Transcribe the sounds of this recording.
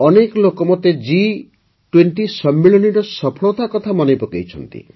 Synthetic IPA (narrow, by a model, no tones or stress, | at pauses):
ɔnekɔlokɔmɔt̪ed͡ʒi | ʈweɳʈisɔmːiɭɔniʈɔsɔpʰɔɭɔt̪akɔt̪ʰamɔnejpɔkḛjt͡ʃʰɔnt̪ḭ